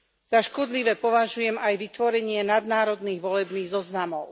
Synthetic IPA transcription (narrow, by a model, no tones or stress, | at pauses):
z̥aʃkɔd̪liʋɛpɔʋaʒujɛmajʋit̪ʋɔɾɛɲɪɛnad̪naːɾɔd̪niːɣʋɔlɛbniːɣzɔznamɔʊ